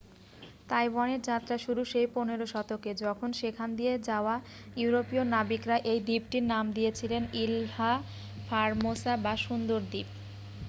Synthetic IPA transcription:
t̪ajbaneɾd͡ʑat̪ːɾaʃuɾuʃejponeɾoʃɔt̪oked͡ʑɔkʰonʃekʰand̪ied͡ʑaoa | juuɾopionabikɾaʔejd̪ipʈiɾnamd̪ijet͡ɕʰilenilha | fʰaɾmosabaʃund̪oɾd̪ip̚

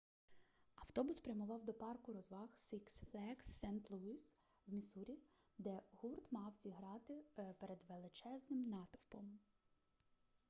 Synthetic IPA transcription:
ɐwt̪ɔbʊspɾʲɐmʊʋɑwd̪ɔpɑrkʊɾɔzʋɑxsiksflˠɛksːɛnt̪lˠuis | wmʲisuɾʲi | d̪ɛhurt̪mɑwzʲiɦɾɑt̪ɪpeɾed̪ʋelˠɪt͡ʃɛznɪmnɑt̪ɔ̥pɔm

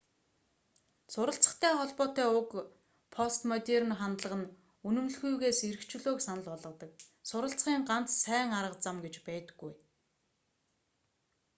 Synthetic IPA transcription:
sʊɾə̆ɬt͡sə̥̆χt̪ʰæːχɔɮpɔːt̪æːʊk | pʰɔst̪mɔt̪ʲer̆nχant̪ɮə̆ʁə̆n | ɵnɵ̆mɮxujɣeːsiɾɘ̆kt͡ɕɪ̆ɮoːksanə̆ɮpɔɮʁɞ̆t̪ə̆k̚sʊɾə̆ɬt͡sχiːŋɢan̥t͡ssæːŋaɾʁə̆qt͡samɡet͡ɕpæːt̪ɘ̥̆ɡːuj

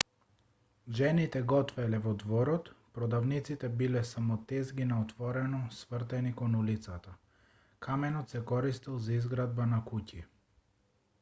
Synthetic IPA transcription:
ʒɛnit̪ɛɡɔt̪vɛlɛvɔd̪vɔɾɔt̪pɾɔd̪avnit̪sit̪ɛbilɛsamɔt̪ɛzɡinaɔt̪vɔɾɛnɔsvr̩t̪ɛnikɔnulit̪sat̪a | kʰamɛnɔt̪sɛkɔɾist̪ilˠzaizɡɾad̪̚banakuci

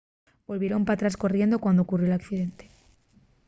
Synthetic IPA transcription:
bo̞lβje̞ɾompat̪ɾasko̞rje̞nd̪o̞kwand̪okurjolakθiðe̞nt̪e

